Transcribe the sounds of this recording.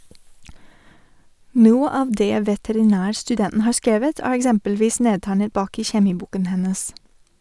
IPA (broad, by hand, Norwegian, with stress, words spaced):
ˈnuːə ˈɑːʋ ˈdeː ʋɛtɛɾɪˈnæːɾstʉˌdɛnn̩ ˈhɑːɾ ˈskeːʋət ˈæːɾ ɛkˈsɛmpəlˌʋiːs ˈneːtæɪnət ˈbɑːk ˈiː çɛˈmiːˌbuːkən ˈhɛnəs